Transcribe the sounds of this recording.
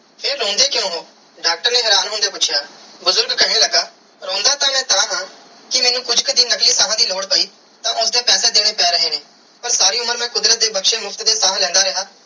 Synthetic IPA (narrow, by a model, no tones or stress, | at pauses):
pʰeɾːõːnd̪eːkjõːɦoː | ɖaːk̚ʈəɾnẽːɦɛːɾaːnɦoːɳd̪eːpʊːt͡ʃʰjaːbʊzʊɾɡkʰəɽeːləɡaː | ɾõːnd̪aːt̪ãːmɛ̃ːt̪ãːɦãː | kɪmɛːnũːkʊd͡ʒkəd̪iːnəkliːsaːɦãːd̪iːloːɽpəiː | t̪ãːʔʊsd̪eːpɛːseːd̪eːɽ̃eːpɛːɾəɦeːneː | pəɾsaːɾiːʊməɾmɛ̃ːkʊd̪ɾət̪̚d̪eːbəkʃeːmʊpʰt̪d̪eːsaːlɛ̃ːnd̪aːɾɪɦaː